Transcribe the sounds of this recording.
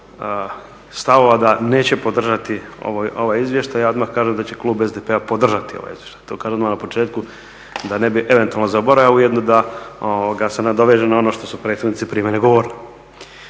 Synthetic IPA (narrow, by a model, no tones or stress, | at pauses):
st̪aʋo̞ʋad̪ane̞ːt͡ɕepo̞d̪r̩ʒat̪io̰ʋojo̞ʋajizʋje̞ʃt̪ajjaːo̞d̪maxkaːʒemd̪at͡ɕeklˠuːbezd̪epeapo̞d̪r̩ʒat̪io̰ʋa̰jḭzjeʃt̪ḁjt̪oːkaːʒemd̪amonapo̞t͡ʃe̞ːt̪̚ku | d̪anebiʔe̞ʋe̞nt̪ualnozabo̞ɾajaujed̪nod̪aooɡasenad̪o̞ʋeʒenao̞noʃt̪o̞supɾe̞ːt̪sed̪nit̪sipɾiːmeneɡo̞ʋoːɾni